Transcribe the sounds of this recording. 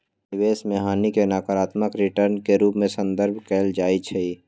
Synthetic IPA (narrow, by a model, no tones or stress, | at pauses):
ɪweːsmẽɦaːnikenaːkəɾaːt̪məkɾɪʈəɾnkeɾuːpmẽsə̃nd̪əɾbʱkɛːld͡ʒaːit͡ʃʰɛi